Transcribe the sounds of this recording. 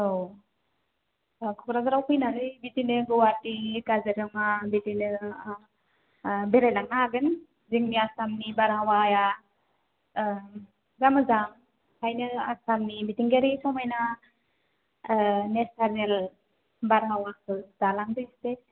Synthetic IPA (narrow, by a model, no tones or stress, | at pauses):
ow | kʰɔkɾazaɾawkʰɯjnazɯjbitinɯɡɔwatikazeɾɯmabitinɯ | beɾajnaŋaɡɯn | ziŋniasamnibaɾɦawaja | zamɯzaŋ | kʰajnɯasamnibitiŋɡeɾisɔmajna | nesaɾel | baɾɦawakʰɯdalaŋdɯste